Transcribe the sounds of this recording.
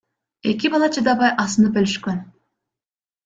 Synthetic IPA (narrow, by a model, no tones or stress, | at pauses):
e̞k̬ʲibɑlˠɑt͡ʃʰɪd̪ɑbɑjʔɑsənɯp̚bølyʃkøn